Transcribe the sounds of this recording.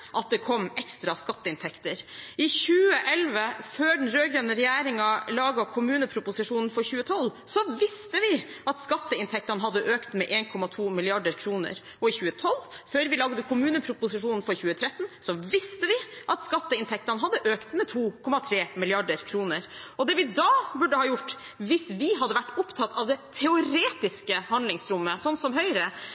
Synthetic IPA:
ʔɑt̪̚d̪ɛkʰɔmːɛkst̪ɾɑskɑt̪ːəɪnt̪ʰɛkt̪əɾɪçʉːəʔɛlʋəføːɖɛn̩ɾøːɡɾøːnəɾɛjæːɾɪŋɑlɑːɡɑkʰʊmʉːnəpʰɾʊpʊsɪʂuːnn̩fɔɾçʉːət̪ʰɔl | sɔʋɪst̪əʋɪ | ɑt̪skɑt̪ːəɪnt̪ʰɛk̚t̪ɑnəɦɑd̪ːəʔøːkt̪mɛʔeːnkʰɔmɑt̪ʰuːmɪlɪɑɖəɾkʰɾuːnə̰ɾ | ɔɪçʉːət̪ʰɔlːføːɾʋɪlɑɡd̪əkʰʊmʉːnəpʰɾʊpʊsɪʂuːnn̩fɔɾçʉːət̪ʰɾɛt̪ːn̩sɔʋɪst̪əʋɪʔɑt̪skɑt̪ːəɪnt̪ʰɛk̚t̪ɑnəɦɑd̪ːəʔøːkt̪mɛt̪ʰuːkʰɔmɑt̪ʰɾeːmɪlɪɑɖəɾkʰɾuːnəɾɔd̪ɛʋɪd̪ɑːbʉɖəhɑːjʊʈː | ʋɪsʋɪɦɑd̪ːəʋæʈːʊpt̪ʰɑt̪ːʰɑʋd̪ɛt̪ʰɛʊɾeːt̪ɪskəhɑnlɪŋsɾʊmːəsɔnt̪sɔmɦœʏɾə

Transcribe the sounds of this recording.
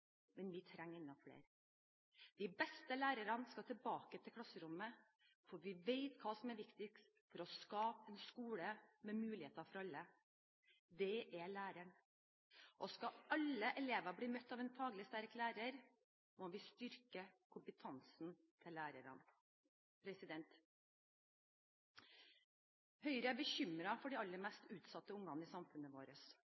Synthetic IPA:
mɛnʋɪt̪ʰɾɛŋːəɾɪnːɔfɽḛːɾ | d̪̥ɪbɛst̪əlæːɾəɾɑnskɑt̪ʰɪlbɑːkət̪ʰɪlkʰlɑsəɾʊmːə | fɔɾʋɪʋeɪt̪kʰɑːsɔmæɾʋɪkt̪ɪk | fɔɾɔskɑːpɛnskuːləmɛmʉːlɪheːt̪ɑfɔɾɑlːə | d̪ɛʔæɭæːɾəɳ | ʔɔskɑɑləʔɛleːʋɑbɽiːmœt̪ːɑːʋɛnfʰɑːɡlɪst̪æɾklæːɾəɾ | moʋɪst̪ʏɾkəkʰʊmpət̪ʰɑnsn | t̪ʰɪlːæːɾəɾɑ̰n | pʰɾɛsɪd̪ɛnt̪ | hœʏɾəæbəçʏmɾɑfɔɖɪɑlːəɾmɛst̪ʉːt̪sɑt̪ːəʊŋːɑnɪsɑmfʉnːəʋoːɾəs

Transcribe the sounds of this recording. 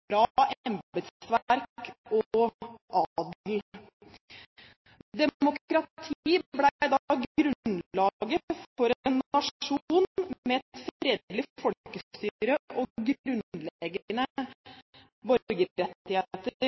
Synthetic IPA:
bɾɑːɛmbət̪ʋæɾkɔʔɑd̪l | d̪ɛmʊkɾɑt̪ʰiːblæd̪ɑɡɾʉlɑːɡəfɔɾɛnɑʂuːnmɛɛt̪fɾɛd̪lɪfɔlkəst̪yːɾəʔɔɡɾʉnlɛɡəənə | bœɾɡəɾɛt̪ːɪheːt̪əəɾ

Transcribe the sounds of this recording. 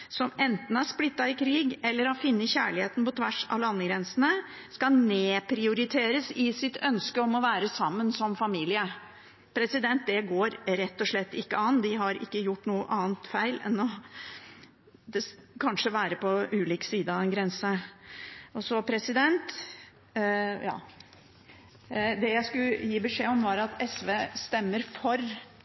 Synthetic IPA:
sɔmɛnt̪n̩æɾʂplɪt̪ːɑɪkʰɾiːɡɛlːəɾɑfɪnːəçæːɭɪheːt̪n̩pɔt̪ʰʋæʂɑ̰lɑnːəɡɾɛnsənə | skɑneːpʰɾɪʊɾɪt̪ʰeːɾəsɪsɪt̪ʰœnskəɔmɔʋæːɾəsɑmːənsɔmfɑmiːlɪə | pʰɾɛsɪd̪ɛnt̪̚d̪ɛɡoːɾɾɛt̪ːɔʂɭɛt̪ːɪkːəɑnd̪ɪɦɑɾɪ̰kːəjʊʈːnuːəʔɑːnt̪fæɪlɛ̰nːɔ | d̪ɛkʰɑnʂəʋæːɾəpʰɔʉːliːksiːd̪əɑɛnɡɾɛnsə | ʔɔsɔpʰɾɛsɪd̪ɛnt̪ | jɑ̰ː | d̪ɛjæɪskʉjiːbəʂeːɔmʋɑɾɑt̪ʰɛsʋeːst̪ɛmːəɾfɔɾ

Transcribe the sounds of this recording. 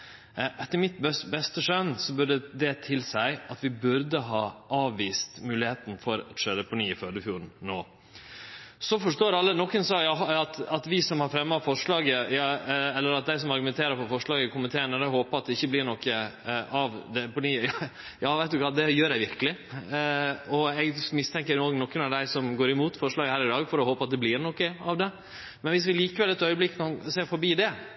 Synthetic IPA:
ʔɛt̪ːəɾmɪt̪bɛsbɛst̪əʂœnːsɔbʉɖəd̪ɛt̪ʰɪlsæɪɑt̪ʋɪbʉɾd̪əɦɑːʔɑːʋːiːst̪mʉːlɪheːt̪n̩fɔɾɑ̰t̪ʂøːɾəpʰʊniːɪfød̪əfjuːɾn̩noː | sɔfɔʂtoːɾɑlːənɔkːənsɔjɑɑt̪ɑt̪ʋɪsɔmhɑɾfɾɛmːɑfɔʂɭɑːɡəjɑɛlːəɾɑt̪̚d̪æɪs̬ɔmɑɾɡʉmɛnt̪ʰeːɾəɾpɔfɔʂɭɑːɡəkʰʊmɪt̪ʰeːənəd̪ɛɦoːpəɑt̪̚d̪ɛɪçːəblɪɾɳɔkːəɑʋd̪ɛpɔdijɑ | jɑːʋæɪd̪ʉkɑːd̪ɛjøːɾæɪʋɪɾkəlɪ | ɔɛɡmɪst̪ʰɛŋkəɾnoːɡnɔkːənɑʋd̪æɪsɔmɡoːɾɪmuːt̪fɔʂɭɑːɡəhæːɾɪd̪ɑːɡfɔɾɔhoːpəɑt̪̚d̪ɛblɪɾnɔkːəɑʋd̪ɛ | mɛnʋɪs̬ʋɪliːkəʋɛlɛt̪œʏəblɪkːkːɑnseːɾfɔɾbiːd̪ɛ

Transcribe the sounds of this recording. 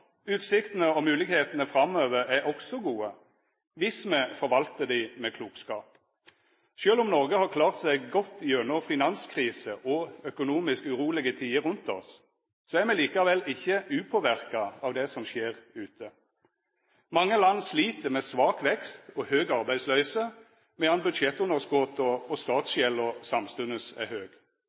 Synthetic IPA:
ʉːt̪sɪkt̪ənəɔmʉːlɪɡheːt̪nəfɾɑmøːʋəɾæɔksɔɡuːə | ʋɪsmɛfɔɾʋɑlt̪əd̪imɛkʰluːkskɑːp | ʃøːlʊmnɔʁɡəhɑːkʰlɑːʁt̪sɛɪɡɡɔt̪ːjøːnɔfɪnɑnskʰʁiːsəʔɔœkʊnuːmɪskʉɾuːlɪɡət̪ʰiːəɾʉnt̪ɔ̰s | sɔæɾmɛliːkɑʋɛlɪçːəʉːpʰoːʋæʁkɑɑʋd̪ɛsɔmʃeːʁʉːt̪ʰə | mɑŋːəlɑnːsliːt̪əmeːsʋɑːkʋɛkst̪ɔhøːɡɑʁbæɪslœʏsə | mɛɑnbʉd̪ʃɛt̪ːʊnəʁsɡɔt̪ɔːst̪ɑːt̪sʃɛlːɔsɑmst̪ʉnəsɛ̰høːɡ

